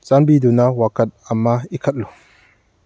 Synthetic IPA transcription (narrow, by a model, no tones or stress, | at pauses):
t͡sanbid̪unawakat̪̚ɐmːaikʰat̚lu